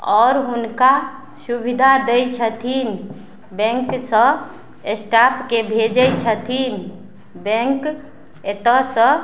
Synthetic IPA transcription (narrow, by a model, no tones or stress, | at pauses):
ɔːɾɦunka | subid̪ʱad̪ejt͡ʃʰət̪ʰin | bɛ̃ŋksə̃ | esʈapkebʱed͡ʒəjt͡ʃʰət̪ʰin | bɛ̃ŋk | et̪əsə̃